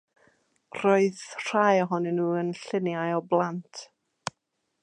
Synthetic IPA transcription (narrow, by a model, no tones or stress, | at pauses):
roɨðr̥ajɔɦɔnɛnːuːənɬɪnjajɔblˠantʰ